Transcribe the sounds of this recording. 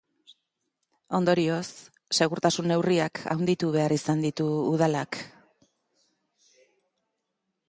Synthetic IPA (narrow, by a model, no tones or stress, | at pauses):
o̞nd̪o̞ɾio̞sː | e̞ɣ̞uɾt̪asunːe̞wriakʰa̰wnd̪it̪uβe̞aɾisand̪it̪uːð̞alak